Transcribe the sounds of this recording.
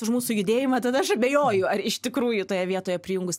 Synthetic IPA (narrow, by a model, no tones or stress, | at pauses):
ʊʃmuːsʊjʊd̪ʲeːjɪmɐt̪ɐd̪ɐɐʃɐbʲejoːjʊɐɾɪʃt̪ʲɪkɾuːjʊt̪oːjɛʋʲiɛt̪oːjɛpʲɾʲɪjʊːŋɡʊs